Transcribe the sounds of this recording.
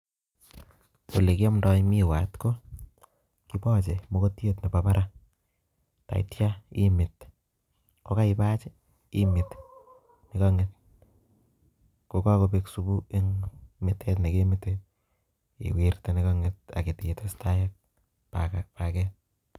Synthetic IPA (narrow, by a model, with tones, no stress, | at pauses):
o˨le˨ki˦ɔ˦mnda˦jmi˦wa˨tko˦ | kipɔ˦t͡ʃe˨mo˦ko˦tje˦tni˨papa˦ɾʔa | ta̰˨ḭtja˦ḭ˦mɪ˨t | koka˦ipa˦t͡ʃɪ˦ | imɪt | nɪkaŋet̚ | koka˦ko˨peksu˦bu˦e˦ŋmɪtʰɛtnike˦mite | ḭ˨wirte˨nikɔ˦ŋet̚a̰˨ke˨tie˨testa˦jak̚ | pakapakɛ